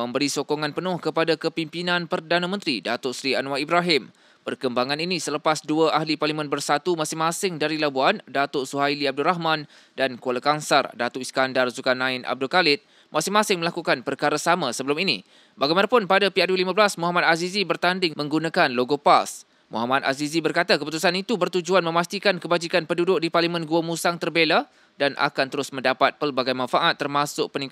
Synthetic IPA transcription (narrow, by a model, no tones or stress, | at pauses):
ə̃mbəɾisokɔŋãnpənʊhkəpadakəpimpinãnpərdanãmə̃nt̪ɾidat̪ʊʔsɾianwaibɾaɦɪm | pərkəmbaŋãninisələpasduaʔahliparlimə̃nbərsat̪umãsɪŋmasɪŋdaɾilabuandat̪ʊʔsuɦajliab̚dulɾaɦmãn | dankualakansa̰rdat̪ʊʔiskandarzukanãɪna̰b̚dʊlkalɪt̪̚ | mʔãsɪŋmãsɪŋmə̃lakukanpərkaɾasamãsəbəlʊminḭ | baɡajmanapʊnpadapiadulimãbəlasmuɦamad̪azizibərt̪andɪŋmə̃ŋɡunakanloɡopa̰s | mʔṵɦamat̪̚a̰zizibərkat̪akəput̪usanit̪ubərt̪ud͡ʒuanmə̃mast̪ikankəbad͡ʒikanpədudʊk̚diparlimə̃nɡuəmũsaŋt̪ərbela | danʔa̰kant̪əɾʊsmə̃ndapat̪̚pəlbaɡajmãnfaʔat̪ːərmasʊk̚pənika